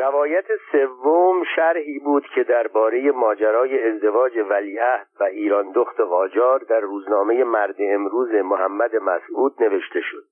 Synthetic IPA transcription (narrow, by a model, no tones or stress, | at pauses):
rævɒːjæt̪ʰese̞vːomʃæɾhiːbuːd̪̥cʰe̞d̪æɾbɒːɾe̞je̞mɒːd͡ʒæɾɒːje̞ːzd̪e̞vɒːd͡ʒe̞væliːæhd̪̥væʔiːɾɒːnd̪oxt̪ʰe̞ɣɒːd͡ʒɒːɾd̪æɾːuːznɒːme̞je̞mæɾd̪eemɾuːzemohæmːæd̪e̞mæ̰suːd̪ne̞ve̞ʃt̪e̞ʃo̞d̥̪